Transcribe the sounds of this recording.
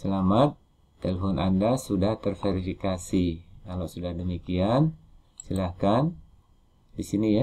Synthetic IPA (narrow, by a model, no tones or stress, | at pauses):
səlamat̪ː | elefɔnʔa̰ndasudaht̪ərfeɾifikasikalosudahdəmikian | silahkan | disinija